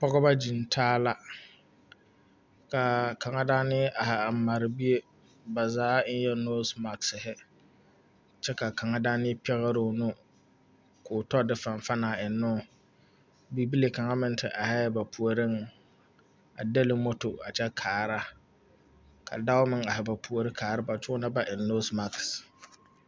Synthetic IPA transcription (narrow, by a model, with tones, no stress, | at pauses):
pɔ˦ɡɔ˦ba˦d͡ʒi˨ntʰaː˦la˦ | ka˨ka˨ŋa˦daː˦nɪ˦ʔa˨ha˨a˨ma˨ɾɪ˨bi˦e˦ | ba˨zaː˨˦n̩˦jɛ˦no˦sma˨ksɪ˨ɦɪ˦ | t͡ʃɛ˦ka˨ka˨ŋa˦daː˦nɪ˦pɛ˦ɣa˦ɾʊ˨nʊ˦ | kʰʊː˨tɔ˦dɪ˨fa˨ɱ˨fa˦naː˨ɪ˨nːʊ̃˦˨ | bi˨bi˦le˨ka˨ŋa˦mɪ˦n˦tʰɪ˨ʔa˨hɛ˦ba˨pʰu˨o˨ɾɪ˦ŋ | a˨de˦lɪ˨mo˦to˨a̰˨t͡ʃɛ˦kʰaː˨ɾa˦ | kʰa̰˨da˦ʊ˦mɪ˦ŋa˨ɦɪ˨ba˨pʰu˨o˨ɾɪ˦kʰaː˨ɾɪ˦ba˨t͡ʃʊ˦na˦ba˦ʔɪ˨nːo˦sma˨ks